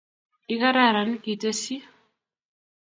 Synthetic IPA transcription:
i˦ka˦ɾa˦˨ɾa˨n˦ki˨te˦si˦

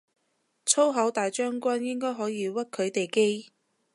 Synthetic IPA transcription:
t͡sʰo˥wɦɐ˨˥wt̪aː˨jt͡ʃœː˥ŋkʷɐ˥njɪ˥ŋkɔː˥jɦɔː˨˥jiː˨˧wɐ˥t̚kʰɵ˨˧ɥt̪e˨jke˥j

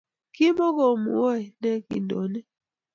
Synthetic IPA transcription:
ki˦mo˦ko˨mṵ˨wo˦ɛ˨nɛ˦kḭ˨ndɔ̰˨nɛ˦

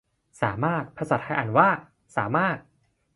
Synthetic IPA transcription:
saː˩˦maː˥˩t̪̚pʰa˧sa˨˩t̪̚ha˥˩ʔa˨˩nwaː˥˩ | saː˩˦maː˥˩t̪̚

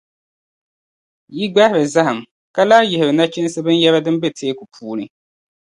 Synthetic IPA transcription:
ji˦ɡ͡ba˦hɪ˦ɾɨ˨za˦ha˨m | ka˦laː˦jɪ˨hɪ˨ɾɨ˨na˦t͡ʃɛ˦n˦sɨ˦bɨ˦njɛ˦βa˦dɨ˦mbe˦tʰeː˦ku˨pʰuː˦nɨ˨

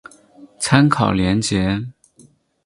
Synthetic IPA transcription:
t͡sʰa˥nkʰɑ˨˩ʊljɛ˧˥nt͡ɕjɛ˧˦

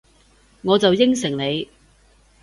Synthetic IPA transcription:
ŋɔː˨˧t͡sɐ˨wjɪ˥ŋsɪ˨˩ŋne˨˧j

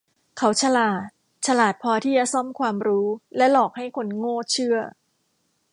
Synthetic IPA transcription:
kʰa˦˥wt͡ɕʰa˧laː˨˩t̪̚ | t͡ɕʰa˧laː˨˩t̪̚pʰɔː˧t̪ʰiː˥˩t͡ɕa˨˩sɔ˥˩mkʰwaː˧mɾuː˦˥lɛ˦˥lɔː˨˩k̚ha˥˩jkʰo˧nŋoː˥˩t͡ɕʰɯ˥˩ɐ

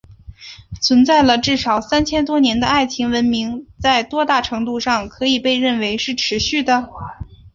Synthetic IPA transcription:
t͡sʰwə˧˥nt͡sa˥˩ɪlə˩ʈ͡ʂɻ̩˥˩ʂɑ˨˩ʊsa˥nt͡ɕʰjɛ˥nt̪wɔ˥njɛ˧˥nd̪ə˧a˥˩ɪt͡ɕʰi˧˥ŋwə˧˥nmi˧˥ŋt͡sa˥˩ɪt̪wɔ˥t̪a˥˩ʈ͡ʂʰɤ˧˥ŋt̪u˥˧ʂɑ˥˩ŋkʰɤ˧˥i˨˩pe˥˧ɪɻə˥˩nwe˧˥ɪʂɻ̩˥˩ʈ͡ʂʰɻ̩˧˥ɕy˥˩d̪ə˩

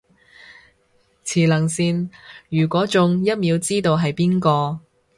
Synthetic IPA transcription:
t͡sʰiː˨˩lɐ˨˩ŋsiː˨˩njyː˨˩kʷɔː˨˥t͡sʊ˨ŋjɐ˥t̚miː˨˧wt͡siː˥t̪o˧wɦɐ˨jpiː˥nkɔː˧

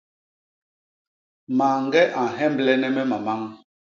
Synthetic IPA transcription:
maː˨ŋ˦ɡɛ˦ʔa˨ɦɛ˦mblɛ˦nɛ˦mɛ˦ma˨ma˦ŋ

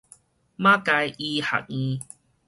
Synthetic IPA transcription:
mã˦ka˧ji˧ha̰˨k̚ĩ˧

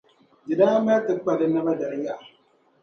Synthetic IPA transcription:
dɪ˨daː˦ma˦tɨ˨˦k͡pa˨dɨ˦na˦ba˦da˨ɾja˦˨ʔa˨

